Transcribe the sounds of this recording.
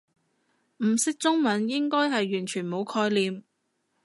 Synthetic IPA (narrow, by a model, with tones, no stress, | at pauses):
m̩˨˩sɪ˥k̚t͡sʊ˥ŋmɐ˨˥njɪ˥ŋkɔː˥jɦɐ˨jːyː˨˩nt͡ʃʰyː˨˩nmo˨˧wkʰɔː˧jliː˨m